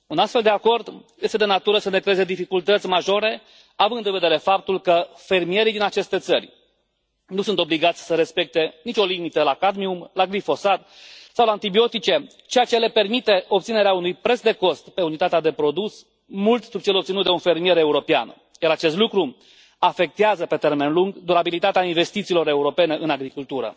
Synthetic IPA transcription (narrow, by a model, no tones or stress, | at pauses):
unast̪fe̞ld̪e̞ako̞rd̪je̞st̪ed̪e̞nat̪uɾəsəne̞kɾeeze̞d̪ifikult̪ət̪sʲmaʒo̞ɾe̞ | avɨnd̪ɨnve̞d̪e̞ɾe̞fap̚t̪ulkə | fe̞rmije̞ɾid̪inat͡ʃe̞st̪e̞t̪sərʲ | nusunt̪o̞bliɡat̪sʲsəɾe̞spe̞k̚t̪e̞nit͡ʃʲo̞limit̪əlakad̪miumlaɡlifo̞sat̪sawlant̪ibio̞t̪it͡ʃe̞ | t͡ʃejat͡ʃe̞le̞pe̞rmit̪e̞ʔo̞bt̪sine̞ɾeaunujpɾe̞t̪sd̪e̞ko̞st̪pe̞unit̪at̪ead̪e̞pɾo̞d̪us | mult̪sub̚t͡ʃe̞lo̞p̪̚sinut̪d̪e̞unfe̞rmije̞ɾe̞uɾo̞pea̰n | jaɾat͡ʃe̞st̪lukɾu | afe̞k̚t̪eazəpe̞t̪e̞rme̞nluŋɡd̪uɾabilit̪at̪eainve̞st̪it̪silo̞ɾe̞uɾo̞pe̞ne̞ʔɨnaɡɾikult̪uɾə̰